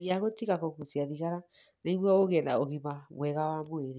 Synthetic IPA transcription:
jaɣotiɣakɔkusiaðiɣaɾaneiβwɔoɣɛna̰oɣiβamwɛɣawamweɾi

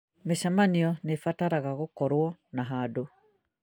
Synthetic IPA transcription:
meʃamaniɔnefataɾaɣaɣokɔɾwɔnaɦado

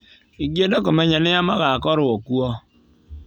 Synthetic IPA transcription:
iɡjedɔkɔmeɲanɪamaɣakɔɾʊɔkuɔ

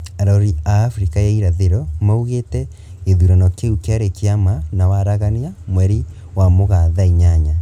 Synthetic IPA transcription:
aɾaoɾiaːfɾikajaiɾaðeɾɔmauɣetɛ | eðuɾanɔkeukeaɾekeamanawaɾaɣaniamwɛɾi | wamoɣaðaiɲaɲa

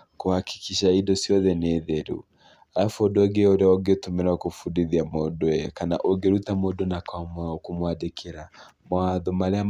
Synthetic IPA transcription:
kohaki̥kʰiʃaidɔsjɔðɛneðɛɾṵ | aafodɔɡeoɾeaɔɡetumeɾakofudiðiamɔdɔɛkana̰ʔoɡeɾutamodonakwamkumwadekʰeɾa | mwaðɔmaɾea

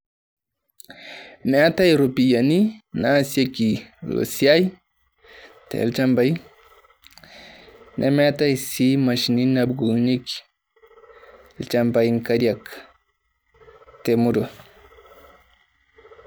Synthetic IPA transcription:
mɛatajɾupijaninasekilo̰sijaj | tḛlt͡ʃambaj | nʔḛmeatajsimaʃininabɡunik | lt͡ʃambajŋkaɾiak | temudo

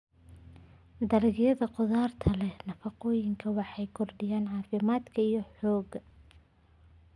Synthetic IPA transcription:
d̪ɐlɪɣjɐðɐqʊðaːrt̪ʰɐlɛnɐfɑqɔːjɪŋkʰɐwɑħɑjkʰɔrɖɪjaːnʕɑːfɪmaːd̪kʰɐijɞħɔːɡɐ

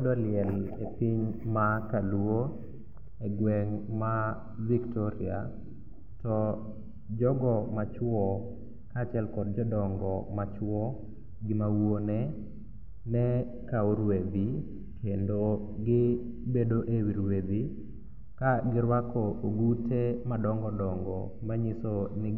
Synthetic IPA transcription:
dɔlɪɛlepiɲmakalwo | eɡwɛŋma | viktɔɾia̰ | tɔ | d͡ʒɔɡɔmat͡ʃwɔ | kat͡ʃɛlkɔd̚d͡ʒɔdɔŋɡɔmat͡ʃwɔ | ɡɪmawone | nɛ | kauɾwed̪i | kendo | ɡɪ | bedoʔewiɾwed̪i | kaɡɪɾwakɔʔoɡutʰemadɔŋɡɔdɔŋɡɔ̰ | maɲisonɪ

